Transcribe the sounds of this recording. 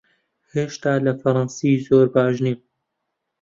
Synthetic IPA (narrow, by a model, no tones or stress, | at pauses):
heːʃt̪aːlɐfɐɾˤɑnsiːzoːɾbaːʒneːm